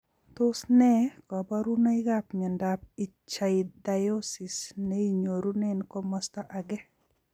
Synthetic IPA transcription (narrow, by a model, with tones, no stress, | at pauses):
t̪ʊ˦snɛ˦kɔ˨bɔ˦ɾu˦nɔ˦ɪ˦ɡapɲa˨ndapi˨t͡ʃaɪda˨jo˦si˨sne˦i˨ɲo˨ɾu˦nɛ˦nko˦mɔ˦stɔ˦ʔa˨ɡɛ˦